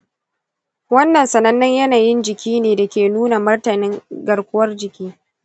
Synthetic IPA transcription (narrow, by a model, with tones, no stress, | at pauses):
wɐ˦nːɐ˨nsɐ˨nɐ˦nːɪ˦ɲjɐ˦naː˨jɪ˦nd͡ʒɪ˨kʲiː˦neː˨da˨kʲeː˨nuː˦na˨mʊ˦rtɐ˨nɪ˦ŋɡɐ˨ɽkʷʊ˦wɐ˦rd͡ʒɪ˨kʲiː˦